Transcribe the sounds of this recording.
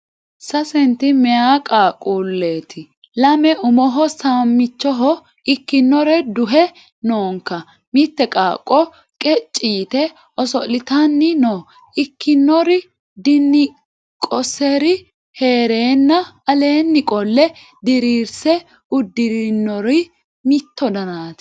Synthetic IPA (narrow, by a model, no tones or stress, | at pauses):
sɐsɛnt̪ɪmɛjaːkʼaːkʼuːlːeːt̪ʰɪ | lɐmɛʊmɔɦɔsaːmːɪt͡ʃːɔɦɔ | ɪkːɪnːɔɾɛd̪ʊɦɛ | noːŋkːɐ | mɪt̪ːɛkʼaːkʼːɔ | kʼɛt͡ʃʼːiːt̪ɛ | ʔɔsɔlɪt̪anːɪnoː | ʔɪkːɪnːɔɾɪ | d̪ɪnːɪ | kʼɔsɛɾɪ | he̞ːɾeːnːɐɐle̞ːnːɪkʼɔlːɛ | d̪ɪɾiːɾsɛ | ʊd̪ːɪɾɪnːɔɾɪ | mɪt̪ːɔd̪ɐnaːt̪ɪ̥